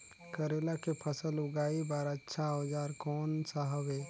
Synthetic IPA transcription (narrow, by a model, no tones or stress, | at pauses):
kəɾelakepʰəsəluɡaibaɾətːʃʰad͡ʒaɾkɔnsaɦəbe